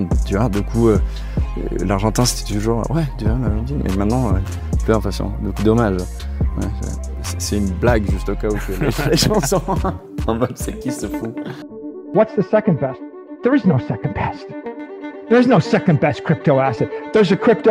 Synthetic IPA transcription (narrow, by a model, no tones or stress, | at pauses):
t̪yvwad̪ykʰuø̰ | laʁʒɑ̃t̪ɛ̃se̥t̪ɛ̥t̪uʒuʁ̰wɛt̪yvamalɑ̃d̪imʔɛ̰mɛ̃t̪nɑ̃ø | pyd̪ɛ̃pχɛsjɔ̰̃d̪ykud̪ɔmaʒ | wɛ̰ | sɛ̥sɛynblaɡʒyst̪okaut̪vɛlefleʃɑ̃sɔ̃ | ɑ̃mɛmsɛkʲisəfũ | wʌtsðɨsɛkə̃nbɛst | ðə˞ɨznoʊsɛkn̩bʰɛst | ðə˞ɨznoʊsɛkə̃nbɛs̚kʰɹ̥ɪp̚toʊæsɨd̪̚ðə˞zɨkʰɹ̥ɪp̚to